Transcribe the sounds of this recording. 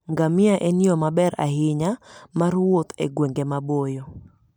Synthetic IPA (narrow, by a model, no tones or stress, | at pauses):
ŋɡamɪaʔenjɔmabɛɾa̰ɦɪɲamarwot̪ḛɡweŋɡemabojo